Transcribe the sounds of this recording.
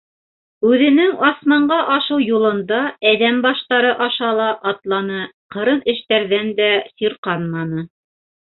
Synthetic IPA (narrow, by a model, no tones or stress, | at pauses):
ʉðɘ̆nɘŋɑsmɑɴɢɑʔɑʃɤwjulˠɤ̆nd̪ɑæðæmbɑʃt̪ɑɾɤʔɑʃɑlˠɑʔɑt̪lˠɑnɤqɤ̆ɾɤnɘ̆ʃt̪æɾðænd̪æsiɾqɑnmɑnɤ